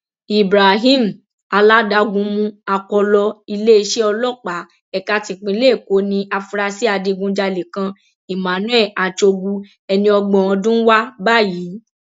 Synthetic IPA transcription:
i˨bɾa˨ɦĩ˦m̩˨ | a˧la˦da˦ɡũ˧mũ˧a˧kɔ˧lɔ˧i˧le˦i˧ʃe˦ɔ˧lɔ˦k͡pa˨˦ | ɛ˨ka˦ti˧k͡pĩ˧˦le˦˨ko˨˦nĩ˧ʔa˧fu˧ɾa˧si˦a˧di˧ɡũ˧d͡ʒa˧le˨kã˧ | i˨mã˨˦nũ˦ɛ˦˨ʔa˨t͡ʃo˧ɡu˧ | ɛ˧nĩ˧ɔ˧ɡ͡bɔ̃˨ɔ̃˧dũ˦wa˦ba˦˨jiː˨˦

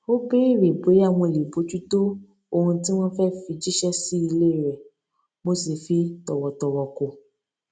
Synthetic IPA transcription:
o˦be˦i˦˨ɾe˨bo˨˦a˦˨w̃ɔ̃˧li˨bo˨˦d͡ʒu˦to˦ | o˧hũ˧ti˦w̃ɔ̃˦fɛ˦fi˧d͡ʒi˦ʃɛ˦si˦i˧le˦˨ɾɛ˨ | mo˦se˨fi˦tɔ˨wɔ˨tɔ˨wɔ˨ko˨

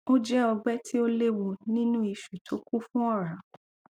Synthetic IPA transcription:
o˦d͡ʒɛ˦ɔ˧ɡ͡bɛ˦tʰi˦o˦le˦wo˧nĩ˦nũ˦i˧ʃu˨tʰo˨˦ku˦fũ˦ɔ˦˨ɾa˨

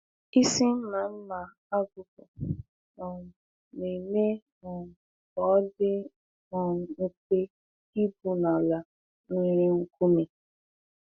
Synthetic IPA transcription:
i˦si˦m̩˦ma˨n̩˦na˨ | a˦ɡʊ˨pʊ˨ | nɔ˨ | ne˨me˦ | nɔ˨ | ɔ˨˦dɪ˦ | nɔ˨ŋ̩˦kʷe˦ | i˦bu˨na˨la˨ | ŋi˦ɾɪ˦ŋ̩˦ku˦me˨

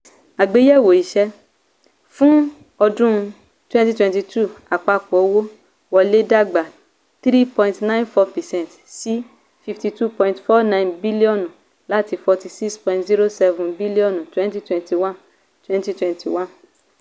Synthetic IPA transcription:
a˨ɡ͡be˨˦jɛ˦˨wo˨i˨ʃɛ˧ | fũ˦ | ɔ˧dũ˦˧ | twɛ̃˦nti˦twɛ̃˧nti˧tʰu˦˨a˨k͡pa˧k͡pɔ˨˦wo˦ | wɔ˧le˦da˦˨ɡ͡ba˨ | t̪ɾi˦pɔ̃˧ĩntnã˦j̃nfɔ˧pɛ˨sɛ̃˦nt | si˦ | fi˧fti˧tu˦pɔ̃˧ĩntfɔ˦nã˦˧j̃nbi˦li˦ɔ̃˦˨nũ˨ | la˦ti˧fɔ˧ti˧si˦kspɔ̃˧ĩntzi˦ɾo˦sɛ˧vũ˨nbi˦li˦ɔ̃˦˨ñ˨twɛ̃˦nti˦twɛ̃˧nti˨wã˦˨n | twɛ̃˦nti˦twɛ̃˧nti˨wã˦n

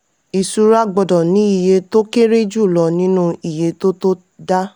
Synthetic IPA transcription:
i˨su˨˧ɾa˦ɡ͡bɔ˧dɔ˨nĩ˨˦i˦˨je˧to˦ke˦ɾe˦d͡ʒu˦˨lɔ˧˦nĩ˦nũ˦i˨je˧to˦to˦ | da˦

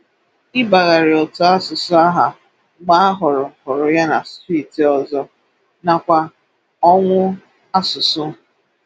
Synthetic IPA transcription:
ɪ˦ba˨ɣa˨ɾɪ˨ɔ˨tʊ˦a˦sʊ˨sʊ˦a˦ɦa˨ | ɡ͡ba˦a˦ɦʊ˨ɾʊ˨hʊ˨ɾʊ˨ja˦na˨sti˦˨ti˨ɔ˨zɔ˦ | na˨kʷa˦ | ɔ˦ŋʷʊ˦ | a˦sʊ˨sʊ˦

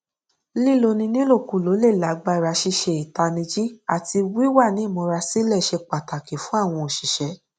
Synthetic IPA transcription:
li˦˨lo˧nĩ˧nĩ˦lo˦˨ku˨lo˨˦le˦˨la˨˦ɡ͡ba˧˨˧ɾa˧˦ʃi˧ʃe˧i˨ta˧nĩ˧d͡ʒi˦a˨ti˧wi˦wa˦˨nĩ˨˦˨mɔ̃˨˧ɾa˧si˦lɛ˦˨ʃe˧k͡pa˨ta˨ke˨fũ˦a˦˨w̃ɔ̃˧o˨ʃi˨ʃɛ˨˧˦

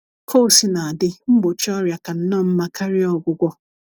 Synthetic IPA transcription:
kʰo˦˨si˦na˨a˨dɪ˦m̩˦ɡ͡bo˨t͡ʃɔ˦ɾja˨ka˨n̩˦nɔ˦˨m̩˦ma˦ka˦ɾi˦ɔ˦ɡʷʊ˦ɡʷɔ˦

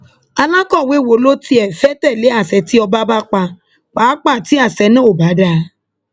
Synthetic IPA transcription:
a˧lã˦kɔ˦˨we˨˦˨wo˨lo˦ti˧ɛ˨fɛ˦tɛ˦˨le˨˦a˦˨sɛ˧˦ti˦ɔ˧ba˦ba˦k͡pa˧ | k͡paː˨˦k͡pa˦˨ti˨˦a˦˨sɛ˨˧˦nũ˦o˦˨ba˨˦da˧

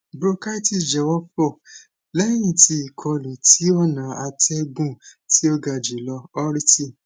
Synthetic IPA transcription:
bɾo˦ka˦i˦ti˦˨d͡ʒɛ˨wɔ˦fɔ˦˨ | lɛ˦j̃ĩ˦˨ti˧i˨kʰɔ˧lũ˨ti˨˦ɔ˦˨nã˨˦a˧tʰɛ˦ɡũ˦˨ti˨˦o˦ɡa˧˨d͡ʒe˨lɔ˧ɔ˦ɾi˦ti˦˨

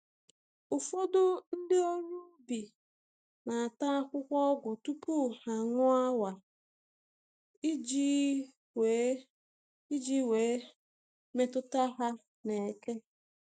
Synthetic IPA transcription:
ʊ˨fo˦dʊ˦n̩˦dɪ˦o˦ɲu˦bi˨ | na˨a˨ta˦a˦kʷʊ˦kʷɔ˦ɡʷʊ˨tu˦pu˦˨ha˨ŋʊ˦a˦wa˨ | i˦d͡ʒi˦ | we˨˦ | i˦d͡ʒi˦we˨˦ | me˦tʊ˦ta˦ɦa˦ | ne˨ke˦

